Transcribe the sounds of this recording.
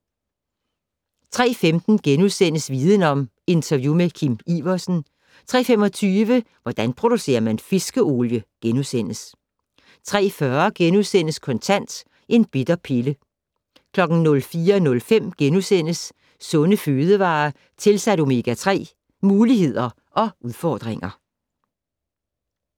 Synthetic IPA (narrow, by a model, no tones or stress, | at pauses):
t͡sʰʁɛ̰ːfemd̥n̩ɡ̥enuðˠsen̰əsʋiːðˠənɒ̽m | e̝nt͡sʰɐʋjumekʰimiʋɐsn̩ | t͡sʰʁɛ̰ːfem̰ɒ̽t͡sʰyːʋə | ʋɒd̥ænpʰʁo̝d̥use̝̰ːɐmænfe̝sɡ̥əo̝ːljəɡ̥enuðˠsen̰əs | t͡sʰʁɛ̰ːfɶɐɡ̥enusen̰əskʰɒ̽nt͡sʰæn̰d̥ | ʔe̝nb̥ed̥ɐpʰelə | kʰlɒ̽ɡ̥n̩nɔ̽lfiːɐnɔ̽lfem̰ɡ̥enusen̰əsː | ɔ̽nəføːð̞ˠəʋɑ̈ː | t͡sʰe̝lsæɾ̥o̝me̝ɡ̥æt͡sʰʁɛ̰ː | muːlihe̝ð̞̰ˠɐ | ʔɒ̽ʔuðˠfɒ̰ːd̥ʁeŋɐ